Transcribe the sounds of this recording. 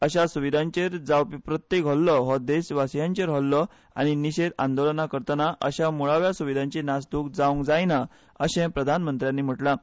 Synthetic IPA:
əɕasuʋid̪ʱãɲt͡ɕeɾd͡zawpipɾət̪jekɦɔllɔɦɔd̪eɕʋasjãɲt͡ɕeɾɦɔllːɔ | a̰ɽ̃iniɕed̪a̰nd̪olənakəɾt̪ənaʔəɕamuɭaʋjasuʋid̪ʱãɲt͡ɕinasd̪ukd͡zaũŋkd͡zajna | əɕẽpɾəd̪ʱanmənt̪ɾjãnːim̤əʈla

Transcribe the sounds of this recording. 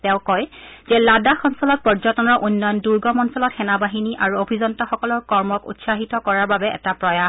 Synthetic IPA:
tɛ̃ʊ̃kɔjzɛladaxɔnsɔlɔt̚pɔɹd͡ʒɔtɔnɔɹʔunːɔjɔnduɹɡɔmɔnsɔlɔtxɛnabaɦiniʔaɹuobʱizɔntaxɔkɔlɔɹkɔɹmɔkṵtsaɦitɔkɔɹaɹbabɛɛ̰tapɹɔja

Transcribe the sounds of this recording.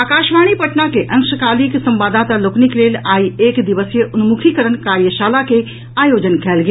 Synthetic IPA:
aːkaːʃmaːñipəʈnakeʔɐ̃ŋkʃəkaːliksɐ̃mbaːd̪aːt̪aloːknikleːlaːieːkd̪ɪʋəsjəʔʊnmukʰikəɾənkaːɾjəʃaːlake | aːjoːd͡ʒənkʰɛːlɡ

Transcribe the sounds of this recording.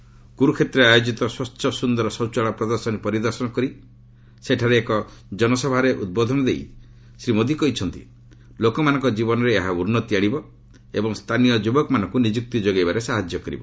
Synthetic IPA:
ɡuɾukʰet̪ɾeajod͡ʒit̪ɔswɔtːʃɔsund̪ɔɾɔsɔwt͡ʃɔɭapɾɔd̪ɔɾsɔnipɔɾid̪ɔɾsɔnɔkɔɾi | seʈʰaɾeːkɔd͡ʒɔnɔsɔbʱaɾeʔṵd̪̚bɔd̪ʱɔnɔd̪ej | sɾimod̪ʱikɔɦit͡ʃʰɔnt̪ḭ | lokɔmanɔŋkɔd͡ʒibɔnɔɾeːɦauɾnɔt̪iaɽibɔ | ebɔŋst̪ʰanijɔd͡ʒubɔkɔmanɔŋkunid͡ʒuk̚t̪id͡ʒoɡajbaɾesaɦad͡ʒjɔkɔɾḭbɔ

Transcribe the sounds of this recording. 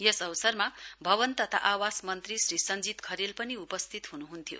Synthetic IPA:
jesʌwsʌrmabʱʌbʌnt̪ʌt̪ʰa̰ʔawasmʌnt̪risrisʌnd͡zit̪kʰʌɾilpʌniupʌst̪ʰit̪ɦunuɦunt̪ʰijo̰

